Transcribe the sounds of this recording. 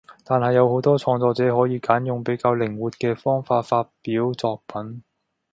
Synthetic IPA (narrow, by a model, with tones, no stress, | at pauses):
t̪aː˨nɦɐ˨jːɐ˨˧who˨˥wt̪ɔː˥t͡sʰɔː˧ŋt͡sɔː˧t͡sɛː˨˥ɦɔː˨˥jiː˧kaː˨˥njʊ˨ŋpe˨˥jkaː˧wlɪ˨˩ŋwuː˨t̚kɛː˧fɔː˥ŋfaː˧tfaː˧t̚piː˨˥wt͡sɔː˧k̚pɐ˨˥n